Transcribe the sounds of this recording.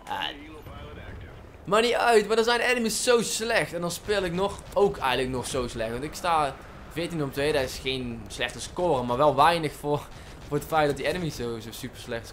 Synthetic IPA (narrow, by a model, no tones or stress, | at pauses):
ə̰ | maniœɥtmaːdəzɛjnɛnəmisːowslɛxtɛndɑnspeːlˠɪknɔx | owkʰɛjɣələk̚nɔxsowslɛxtʋɑntɪkstaː | vɪːtinɔmtʋejdəɪsxejnslɛxtəskoːrəmaːɹʋɛlˠʋɛjnəxfʊ | vʊːrətfɛjt̚dɑtdiɛnəmiszowzosypəɹslɛxt